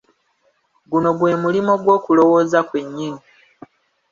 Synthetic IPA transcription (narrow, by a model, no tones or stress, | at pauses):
ɡuno̞ɡwe̞ːmulimo̞ɡwo̞ːkulo̞wo̞ːzakwe̞ɲːini